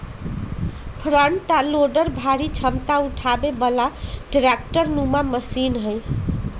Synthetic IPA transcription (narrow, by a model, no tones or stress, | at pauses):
pʰɾəɳʈaloɖəɾbʱaɾit͡ʃʰəmt̪auʈʰabebəlaɖɾek̚ʈəɾnumaməsinɦəj